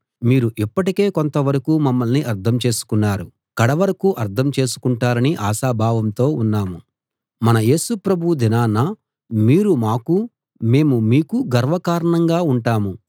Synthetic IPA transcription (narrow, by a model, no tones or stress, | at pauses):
miːɾuʔipːɐʈike̞ːko̞nt̪ɐʋɐɾɐkuːmɐmːɐlniʔɐɾt̪ʰɐmt͡ʃe̞ːsu̥kunːaːɾu | kɐɽɐʋɐɾɐkuːʔɐɾt̪ʰɐmt͡ʃe̞ːsu̥kuɳʈaːɾɐniʔaːʃaːbʱaːʋɐmt̪o̞ːunːaːmu | mɐnɐje̞ːsupɾɐbʱud̪inaːnɐ | miːɾumaːku | me̞ːmumiːkuɡɐɾʋɐkaːɾɐɳɐŋɡaːuɳʈaːmu